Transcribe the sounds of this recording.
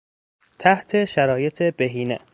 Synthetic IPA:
t̪ʰæht̪ʰe̞ʃæɾɒːje̞t̪ʰebeɦiːnḛ

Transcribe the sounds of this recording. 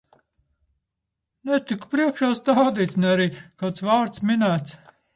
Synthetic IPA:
nɛt̪iku̥pɾiɛkʃaːst̪awd̪iːt̪snɛaɾiːkawt̪svaːɾt̪sminæːt̪s

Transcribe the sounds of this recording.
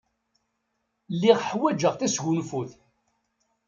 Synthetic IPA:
lːiʁħwæd͡ʒəʁθæsʝunfuθ

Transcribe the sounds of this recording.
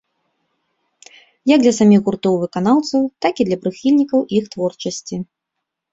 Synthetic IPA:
jɐɡ̚d̪lʲɐsamʲiɣɣurt̪ɔwvɨkanawt̪sɐwt̪akid̪lʲɐpɾɨxʲilʲnʲikɐwixt̪vɔrt͡ʂɐsʲt͡sʲi

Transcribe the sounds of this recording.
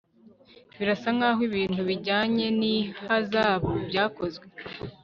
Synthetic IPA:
βiɾasaŋɡaːɦwiβiːn̥huβiɟaːɲe̞nihazaːβobjaːko̞zɡwe̞

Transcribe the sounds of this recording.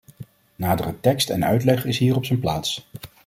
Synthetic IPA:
naːdərətɛkstɛ̰nœ̰ɥtlɛχɪsɦiːɹɔpsənplaːts

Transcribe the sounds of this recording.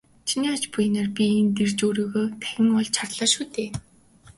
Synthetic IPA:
t͡ɕʰiniːat͡ɕpuj̆narpʲient̪ert͡ɕuːɾiːɣoːt̪ʰæɣʲɪ̆ŋɔɮt͡ɕʰartɮɔːʃuːt̪eː

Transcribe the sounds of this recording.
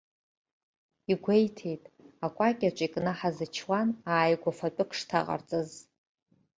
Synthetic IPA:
iɡʷejtʰe̞jtʼakʷʼakʲʼat͡ʃʷʼikʼnɨħazɨt͡ʃʰwanaːjɡʷafat͡pʼʊkʰʂtʰa̰ʁa̰rt͡sʼɨz

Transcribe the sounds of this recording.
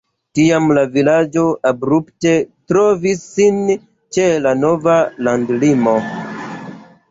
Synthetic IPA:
tiamlavilad͡ʒo̞ʔabɾupte̞tɾo̞visːin | t͡ʃelano̞valandlimo̞

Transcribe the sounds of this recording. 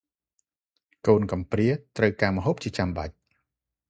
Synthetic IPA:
koːnkɑmpriət̪rəwkaːməɦoːp̚t͡ɕiət͡ɕamɓa̰c̚

